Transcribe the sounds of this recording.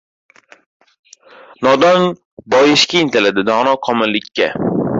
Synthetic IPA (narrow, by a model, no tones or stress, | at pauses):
nɒd̪ɒn | bɒjɪʃkʲaɪnt̪ʰɪlad̪ɪd̪ɒʁnɒqʰɒmɪlːɪkʲʰːa̰